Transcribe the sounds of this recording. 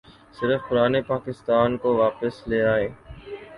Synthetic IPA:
sɪɾəfkʊɾaːnepaːkɪst̪aːnkoʋaːpəsleːaːeː

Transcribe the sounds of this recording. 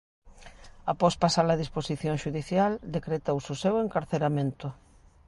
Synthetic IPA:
apɔspasalaðisposiθjõŋʃuðiθjald̪ekɾet̪owsuseweŋkaɾθeɾamẽnt̪ʊ

